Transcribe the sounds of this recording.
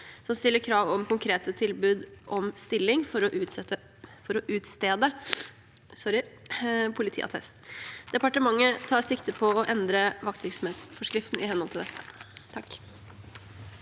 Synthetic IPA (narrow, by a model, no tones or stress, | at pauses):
sɔmst̪ɪlːəɾkʰɾɑːʋɔmkʊŋkʰɾeːt̪ət̪ʰɪlbʉːd̪ʔɔmst̪ɪlːɪŋfɔɾɔʔʉːt̪ɛt̪ːə | fɔɾɔʔʉːt̪st̪eːd̪ə | sɔɾɪpʰʊlɪt̪ʰḭːʔɑ̰t̪ʰɛ̰st̪d̪̥ɛpɑʈəmɑŋːət̪ʰɑːɾsɪkt̪əpʰɔɔʔɛnd̪ɾəʋɑk̚t̪ʋɪɾksɔmeːt̪sfɔʂkɾɪft̪n̩ʔɪhɛnhɔlt̪ʰɪld̪ɛt̪ːət̪ʰɑkː